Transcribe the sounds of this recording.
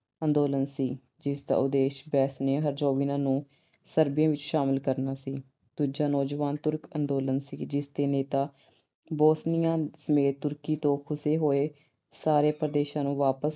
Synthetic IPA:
ə̃nd̪oːlənsiː | d͡ʒɪst̪a̰ːʊd̪eːʃbɛːsnẽːɦəɾd͡ʒoːʋiːnãːnũː | səɾbjãːʋɪt͡ʃʃaːməlkəɾnaːsiː | d̪̥uːd͡ʒaːnɔːd͡ʒʋaːnt̪ʊɾkənd̪oːlənsiːd͡ʒɪst̪eːneːt̪aː | boːsnijãːsəmeːt̪ːʊɾkiːt̪õːkʰʊseːɦoːeː | saːɾeːpəɾd̪eːʃãːnũːʋaːpəs

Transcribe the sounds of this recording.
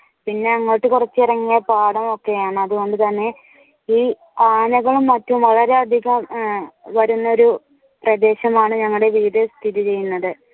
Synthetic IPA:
pinːe̞ɐŋːo̞ːʈːɨkurɐt͡ɕːɨirɐŋːijɐpaːɽɐmo̞kːe̞jaːɳɨɐðuɣo̞ɳɖɨt̪ɐnːe̞ | iː | aːnɐɣɐɭumːɐtːɐumʋɐɭɐɾe̞ɐd̪ʱiɣɐmʋɐɾunːɐo̞ɾu | prɐd̪e̞ːɕɐmaːɳɨɲɐŋːɐɭɽeʋiːðɐst̪ʰiðit͡ɕe̞jːunːɐðɨ

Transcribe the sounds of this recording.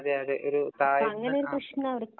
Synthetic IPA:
ðeɐːðeʔoɾut̪aːjiɐŋːɐneo̞ɾukrɨʂnɐɐʋɐɽkː

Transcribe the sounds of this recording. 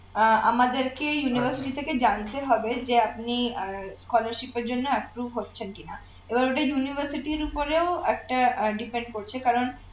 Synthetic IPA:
a̰mad̪eɾkejunibʱəɾsiʈit̪ʰeked͡ʑant̪eɦɔbed͡ʑeap̚niskɔlaɾʃipeɾd͡ʑonːoɛpɾuvɦotːɕʰenkina | ebaɾoʈajunibʱəɾsiʈiɾupoɾeoɛk̚ʈaɖipeɳɖ̚koɾt͡ɕʰekaɾon

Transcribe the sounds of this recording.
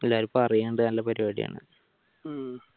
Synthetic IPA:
elːaːɾipːoɐrijeːɳɖɨnɐlːɐpɐɾiaːɽḭja̰ːɳɨ̰

